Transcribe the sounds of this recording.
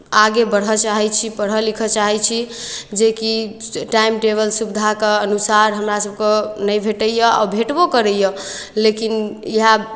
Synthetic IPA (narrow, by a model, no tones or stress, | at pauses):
aɡebəɽ̤ɦət͡ʃaɦɛt͡ʃʰipəɽ̤ɦəlikʰət͡ʃaɦɛt͡ʃʰid͡ʒekiʈaimʈeβəlsubd̪ʱakeənusaɾɦəmɾasəb̚kenəjbʱeʈəjjəa̰wbʱeʈbokəɾəjjə | lekiniɦa